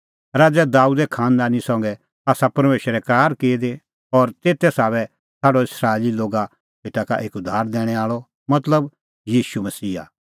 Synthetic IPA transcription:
ɾaːd͡zɛd̪aːud̪ɛkʰãːnd̪aːnisɔ̃ŋɡɛ | aːsapɐɾmeːʃɾɛkaːɾkeːd̪e | ɔːɾt̪eːt̪ɛsaːβɛ | tʰaːɖɔɪsɾaːeliloːɡa | seːʈaka̰ʔeːkʊd̪ʱaːɾd̪ɛːɽ̃ɛaːɭɔ | mɐt̪ləb | jiːʃumɐsiːa̰

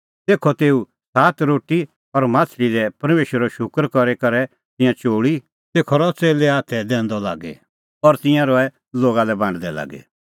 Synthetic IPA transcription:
t̪eːkʰɔt̪eːu | saːt̪ɾoːʈːi | ɔɾmãːt͡sʰɾidɛpɐɾmeːʃəɾɔʃʊkəɾkɔɾekɐɾɛ | t̪ɪ̃jãt͡ʃoːɽi | t̪eːkʰɔɾɔt͡seːleaːt̪ʰɛd̪ɛ̃ːnd̪ɔla̰ːɡɛ̰ | ɔɾt̪ɪ̃jãɾɔɛ | loːɡalɛbãːɳɖd̪ɛla̰ːɡɛ̰

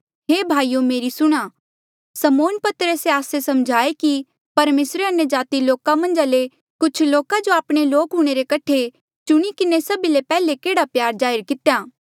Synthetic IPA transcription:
ɦeːbʱaːijomeːɾisʊɽ̃aː | sɐmoːnpɐt̪ɾəseaːsesɐmd͡ʒʱaːeki | pɐɾmeːsɾeɐnjəd͡ʒaːt̪iloːkamɐ̃nd͡ʒale | kʊt͡ʃʰloːkad͡ʒoaːpɽ̃eloːkɦʊɽ̃eɾekɐʈʰe | t͡ʃʊɽ̃ikɪnesɐbilepɛːlekeːɽapjaːɾd͡ʒaːɪɾkɪt̪ejaː

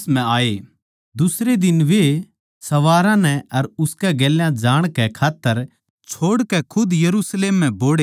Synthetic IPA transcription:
sm̤ɛ̃aːe | d̪ʊsɾed̪ɪnʋe | sɐʋaːɾãnɛɐɾʊskɛɡɛːljãd͡ʒaːɽ̃kɛkʰaːt̪ːəɾ | t͡ʃʰoːɽkɛkʰʊd̪jɐɾuːsleːmːɛ̃boːɽeː

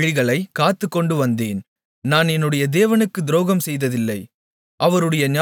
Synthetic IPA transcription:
ɻɪɣɐɭɐɪkːaːt̪ːɯkːɔɳɖɯʋɐnd̪eːn | naːnɛnːɯɽɐjɐd̪eːʋɐnɯkːɯd̪ɪɾoːɣɐmsɛjðɐðɪlːɐɪ | ʔɐʋɐɾɯɽɐjɐnɪa

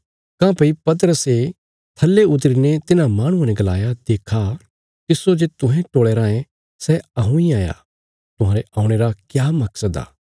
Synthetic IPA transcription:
kãːpɐipɐt̪̬əɾəse | t̪ʰɐlːeʊt̪ɾiːnet̪ɪnãmaːɽ̃ũanɛ̃ɡɐla̰ːjad̪eːkʰa | t̪ɪsːod͡ʒet̪ʊ̃ɦɛ̃ʈoːɭeːɾãːẽ | sɛɐɦũiaːja̰ | t̪ʊ̃ɦãːɾeʔãːũɽ̃eːɾakjaːmɐksəd̪a̰ː

